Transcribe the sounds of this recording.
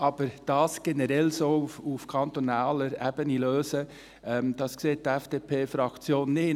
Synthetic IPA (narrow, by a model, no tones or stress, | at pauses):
ʔɑːb̥əɾd̥ɑːsɡ̥enəɾɛlsoːfufkʰɑnt̪onɑːləɾæb̥əniløːsə | ɛmd̥ɑskseːt̚d̥iɛfd̥eːpʰeːfɾɑkt͡sjoːnːɪ